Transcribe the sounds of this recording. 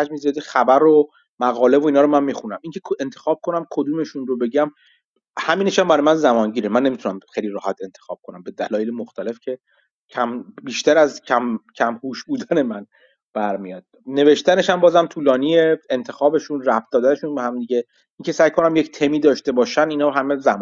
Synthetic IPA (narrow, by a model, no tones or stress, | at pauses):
æd͡ʒmiziɒd̪ixæbæɾo | mæɣɒːle̞voiːnɒːɾomænmixunæmiŋcʰe̞kent̪ʰexɒːb̥̚kʰo̞næmkʰod̪uːme̞ʃunrobe̞ɟæm | hæmiːneʃæmbæɾɒːjemænzæmɒnɟiːɾemænːemit̪ʰunæmxejliɾɒːhæt̪ʰe̞nt̪ʰexɒ̰ːb̥̚kʰonæmbe̞d̪ælɒːjelemoxt̪æle̞fcʰe̞ | cʰæmbiːʃt̪æɾæzcʰæmcʰæmhuːʃbuːd̪æne̞mæn | b̥æɾmijɒːd̪̥̚ | ne̞ve̞ʃt̪æne̞ʃæmbɒːzæmt̪ʰuːlɒːnieent̪ʰe̞xɒːbe̞ʃunræf̚d̪ɒːd̪æne̞ʃunbehæmd̪iɟe̞ | iŋcʰe̞sæjkʰo̞næmject̪ʰe̞miːd̪ɒːʃt̪e̞bɒːʃæninɒːɦæme̞zæm